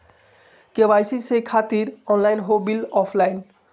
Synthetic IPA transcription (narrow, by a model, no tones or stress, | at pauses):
kebajsisejkʰat̪iɾɔnlajnɦobilɔpʰlajn